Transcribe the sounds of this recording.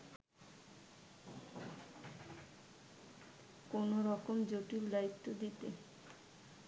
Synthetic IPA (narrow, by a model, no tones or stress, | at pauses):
konoɾɔkomd͡ʑoʈiɾlajt̪ːod̪it̪e